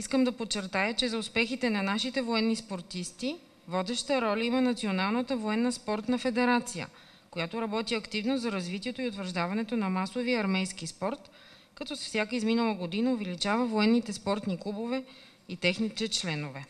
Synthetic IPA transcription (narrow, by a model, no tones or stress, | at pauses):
iskəmd̪ɐpott͡ʃːɛɾt̪ajət͡ʃɛzɐʊspɛxit̪ɛnɐnaʃit̪ɛvoɛnːispoɾt̪ist̪i | vɔd̪ɛʃt̪əɾɔlʲəimənɐt̪sionalˠnət̪əvoɛnːəspɔɾt̪nɐfɛd̪ɛɾat̪sijə̰ | kojat̪oɾɐbɔt̪iɐkt̪ivnozɐɾɐzvit̪iɛt̪oiʊt̪vəɾʒd̪avɐnɛt̪onɐmasoviɐɾmɛjskispɔɾt̪ | kɐt̪ɔsfsʲjakəizminəlˠəɡod̪inəʊvɛlit͡ʃavəvoɛnːit̪ɛspɔɾt̪niklˠubovɛ | it̪ɛxnit̪ɛt͡ʃlɛnovɛ